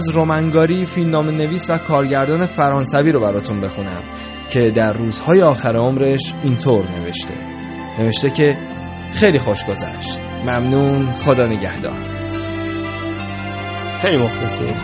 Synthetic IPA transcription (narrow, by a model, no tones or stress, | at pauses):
zɾomæŋɡɒːɾiːfilmnɒːme̞ne̞viːsvækʰɒːɾɟæɾd̪ɒːne̞fæɾɒːnsæviːɾobæɾɒːt̪ʰunbe̞xuːnæ̰m | cʰe̞d̪æɾːuːz̥hɒːje̞ɒːxæɾeomɾe̞ʃint̪ʰoɾne̞ve̞ʃt̪ʰe̞̰ | ne̞ve̞ʃt̪e̞cʰe̞ | xejliːxoʃɡ̥o̞zæ̰ʃt̪ | mæmnuːnxod̪ɒːneɟæhd̪ɒ̰ːɾ | xejlimoxt̪æsḛɾ